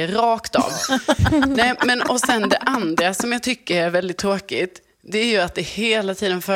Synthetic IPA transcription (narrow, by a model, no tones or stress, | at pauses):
əɾɑːkt̪ɑ̰ːv | nɛːmɛnɔsɛnd̪ɛʔand̪ɾasɔmjɑːɡ̚t̪ʰʏkːəɾæɾvɛld̪ɪt̪ʰːɾoːkɪt̪ | d̪ɛæɾjɵat̪̚d̪ɛheːlat̪ʰiːd̪ənfœ